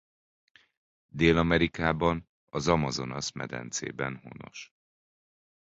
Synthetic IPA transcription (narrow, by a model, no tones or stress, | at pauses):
d̪eːlɒmɛɾikaːbɒn | ɒzɒmɒzo̞nɒsmɛ̰d̪ɛ̰nt̪sḛːbɛnho̰no̞ʃ